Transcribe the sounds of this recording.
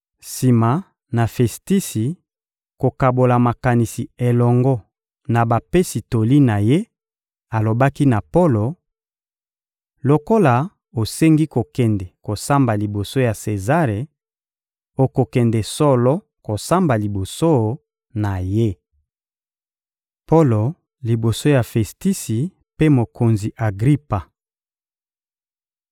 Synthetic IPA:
si˨ma˨ | na˨fɛ˨sti˦si˨ | ko˨ka˨bo˨la˨ma˨ka˨ni˨si˨e˨lɔ˨ŋɡɔ˦ | na˨ba˨pe˦si˨to˨li˦na˨je˦ | a˨lo˨ba˦ki˦na˨po˦lo˨ | lo˨ko˦la˨ | o˨se˦ŋɡi˦ko˨kɛ˨ndɛ˨ko˨sa˦mba˨li˨bo˨so˦ja˨se˨za˦ʁe˨ | o˨ko˨kɛ˨ndɛ˨sɔ˦lɔ˦ | ko˨sa˦mba˨li˨bo˨so˦ | na˨je˦ | po˦lo˨ | li˨bo˨so˦ja˨fɛ˨sti˦si˨ | pe˦mo˨ko˨nzi˨ʔa˨ɡʁi˦pa˨

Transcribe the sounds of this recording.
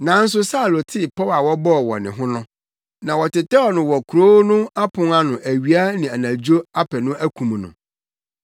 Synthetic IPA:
nã˨˦n̩˦s̬ʊ˦sa˦˨lo˨tʰɪ˦˨pʰɔ˦wa˨wɔ˦bɔ˦˨wɔ̰˨nɪ̃˨ɦʊ̃˦nʊ̃˦ | nã˨wɔ˨tɪ˨tɛ˦ɔ˨nʊ̃˨wɔ˨kʰu˨ɾo˦nʊ̃˦a˦pʰʊ̃˦ŋa˦nʊ̃˨ʔæ˨ɥi˨a˦nɪ̃˨a˨nã˨d͡ʑo˦a˦pʰɛ˨nʊ̃˦æ˦kʰũ˨m˨nʊ̰̃˨

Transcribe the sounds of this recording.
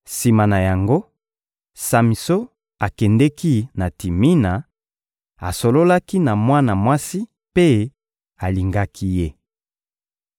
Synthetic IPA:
si˨ma˨na˨ja˨ŋɡo˦ | sa˨mi˨so˦ | a˨kɛ˨ndɛ˦ki˦na˨ti˨mi˦na˨ | a˨so˨lo˦la˦ki˦na˨mwa˦na˨mwa˦si˦ | pe˦ | a˨li˨ŋɡa˦kʰi˦je˦

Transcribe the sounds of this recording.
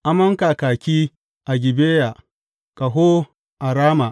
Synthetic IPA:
ʔa˨mɐ˦ŋkaː˨kaː˨kʲiː˦ | ʔa˨ɡʲɪ˨beː˦ja˨ | kʼa˨ɦoː˦ | ʔa˨ɾaː˦ma˨ʔ

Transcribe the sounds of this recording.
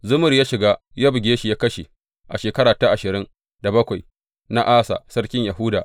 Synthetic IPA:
zʊ˦mʊ˨rjaː˦ʃɪ˨ɡaː˦ | jaː˦bɪ˨ɡʲeː˦ʃi˨jaː˦kɐ˦ʃḭ˨ | ʔa̰˨ʃeː˨kɐ˦ɽaː˨ta˦ʔa˨ʃɪ˨ɾɪ˦ŋ | da˨bɐ˦kʷa˨j | na˦ʔaː˦sa̰˨sɐ˦ɽkʲɪ˦ɲja˨ɦʊ˦daː˨

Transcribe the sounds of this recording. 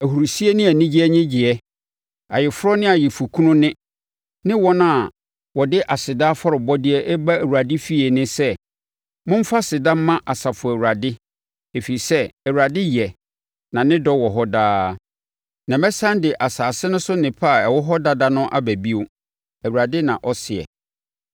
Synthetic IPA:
æ˨hu˨ɾu˨si˦e˦nɪ̃˦æ˨nĩ˦d͡ʑi˦ɛ˦ɲɪ̃˦d͡ʑɪ˨ɛ˦ | a˨jɪ˨fʊ˦ɾɔ˦nɪ̃˦a˨jɪ˨fu˨kʰũ˦nʊ̃˦nɪ̃˦ | nɪ̃˦wɔ˦nã˦˨ | wɔ˨dɪ˦ʔa˨sɪ˨da˦fɔ˦ɾɔ˨bɔ˦dɪ˦ɛ˦ʔɛ˦ba˦æ˨wu˨ɾa˨dɪ˦fi˦ɛ˨nɪ̃˦sɛ˦ | mʊ̃˦m˦fa˦sɪ˨da˦m˦mːã˦ʔa˨sa˨fʊ˨æ˨wu˨ɾa˨dɪ˦ | e˨fi˨i˨sɛ˦ɛ˨wu˨ɾa˨dɪ˦jɛ˨ | nã˨nɪ̃˦dɔ˦wɔ˨ɦɔ˦daː˦ | nã˨mɛ˦sã˦ndɪ˨ʔa˨saː˨sɪ˦nʊ̃˦sʊ˦nɪ̃˨pʰa˦˨ɛ˨wɔ˦ɦɔ˦da˦da˦nʊ̃˦ʔa̰˦bæ˨bi˦ʊ˦ | æ˨wu˨ɾa˨dɪ˦nã˨ʔɔ˦sɪ˨ɛ̰˨

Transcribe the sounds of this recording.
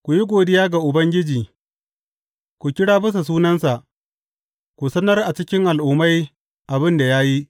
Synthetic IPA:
kʷu˨ji˦ɡʷoː˨dɪ˦jaː˦ɡa˨ʔʊ˨bɐ˦ŋɡʲɪ˦d͡ʒiː˨ | kʷu˨kʲɪ˦ɽaː˦bɪ˦s̬a˨s̬uː˦nɐ˦nsa˨ʔ | kʷu˨sɐ˦nɐ˦rʔa˨t͡ʃɪ˦kʲɪ˦ŋʔa˨lʔʊ˨ma˦j | ʔa˨bɪ˦nda˨ja˦ji˦

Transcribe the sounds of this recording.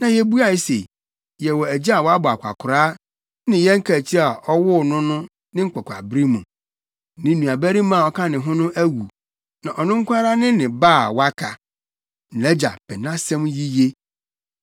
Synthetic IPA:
nã˨jɛ˦bu˦a˨i˦se˨ | jɛ˨wɔ˨æ˨d͡ʑi˦a˨wɔ˨˦a˦bʊ˨a˨kʷʰa̰˨kʰʊ˨ɾaː˦ | nɪ̃˨jɛ˦ŋ̩˦kʰa˨t͡ɕʰi˦a˨ɔ˦wʊ˦˨nʊ̃˦nʊ̃˦ | nɪ̃˦ŋ̩˦k͡pɔ˨kʷʰa̰˨bɾi˦mũ˨˦ | nɪ̃˨˦nũ˨a˨bæ˦ɾi˦mã˦˨ɔ˦kʰã˦nɪ̃˨ɦʊ̃˦nʊ̃˦ʔæ˦wu˨ | nã˨ʔɔ˨nʊ̃˦ŋ̩˦kʷa˦ɾa˦nɪ̃˦nɪ̃˨baː˦˨wa˦kʰa˨ | n̩˨ɛ˦d͡ʑa̰˨pʰɛ˨nã˦sɛ̃˦mji˦je˦

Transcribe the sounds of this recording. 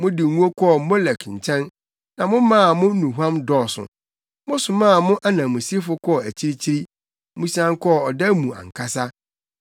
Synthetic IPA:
mʊ̃˦dɪ˨˦ũ˦o˦kʰɔ˦˨˦mɔ˦lɛ˨kɲ̩˨t͡ɕʰɛ̃˦n | nã˨mʊ̃˦mãː˦˨mʊ̃˦nũ˨ɦã˦mdɔː˦˨sʊ̰˨ | mʊ̃˦sʊ˨mãː˦˨mʊ̃˦ʔa˦nã˨mʊ̃˨si˦fʊ˦kʰɔː˦˨æ˨t͡ɕʰi˦ɾi˦t͡ɕʰi˦ɾi˦ | mũ˦si˦ã˦ŋkʰɔ˦˨ɔ˨dɛ˦mũ˨ã̰˨ŋ˨kʰa˦sa˦

